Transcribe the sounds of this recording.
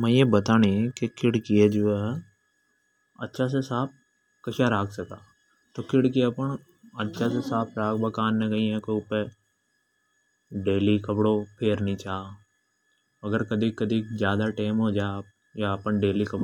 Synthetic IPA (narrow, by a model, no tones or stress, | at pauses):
mɛ̃ːjebɐt̪aːnikekʰɪɽkied͡ʒoːɛ | ɐtːʃʰas̬esaːp̚ | kɐʃaɾaːksɐkaː | t̪oːkɪɽkiepəɳ | ɐtːʃʰas̬esaːpʰɾaːkbɐkaːnːẽɡɐĩɛ̃koʊpe | ɖeːlikɐpɽopʰeːɾnĩt͡ʃaː | ɐɡəɾkɐd̪ʱikɐd̪ʱizjaːd̪aʈeːmɦoːd͡ʒa | japəɳɖeːlikɐp